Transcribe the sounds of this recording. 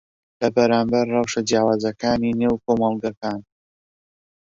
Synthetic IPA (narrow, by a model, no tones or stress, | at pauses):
lɐbɐɾaːmbɐɾːɑwʃad͡ʒjaːwaːzɐkaːnineːwkomɑlˠɡakaːn